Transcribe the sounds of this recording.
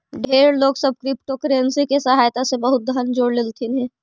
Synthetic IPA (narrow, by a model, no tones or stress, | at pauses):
ɖʱeːɾloːɡsɐb̚kɾɪpʈokɾensikesɐɦaːjt̪asebɐɦʊt̪̚d̪ʱand͡ʒoːɽlɪlt̪ʰinɦɛ̃ː